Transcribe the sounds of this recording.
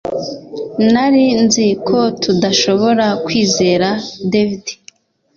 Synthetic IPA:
naɾinzikʰo̞tʰudaʃo̞βo̞ɾakwiːze̞ːɾadevidi̥

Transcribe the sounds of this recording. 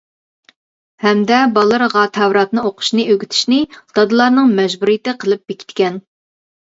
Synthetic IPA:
hɛmd̪ɛbɑlˠɨɾʁɑːt̪ʰɛwɾɑt̪nɨoqʰʊ̥ʃnɨøɡʲyt̪ʰi̥ʃnɪd̪̥ɑd̪ɨlˠɑɾnɨŋmɛʒbuɾijɪt̪ɪqʰəlˠɨp̚bekʲʰi̥t̪kʲɛn

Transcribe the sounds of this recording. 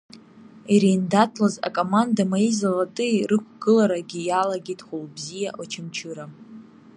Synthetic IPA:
iɾeːndatʰlaza̰kʼo̞mandamaizalatʼɨirɨkʷʰɡ̥ɨlaɾaɡʲijalaɡʲetʼχʷulbzijaʔot͡ʃʰɪmt͡ʃʰɨɾa

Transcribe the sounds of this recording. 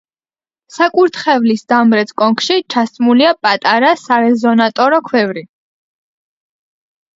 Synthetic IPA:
sakʼuɾt̪ʰχɛvlisd̪̥amɾɛt̪sʰkʼɔŋkʰʃit͡ʃʰast̪sʼmuliapʼat̪ʼaɾasaɾɛzɔnat̪ʼɔɾɔkʰwɛvɾi

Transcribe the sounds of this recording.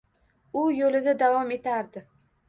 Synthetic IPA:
ʊjolɪd̪ad̪avɒme̞t̪ʰaɾd̪ɪ

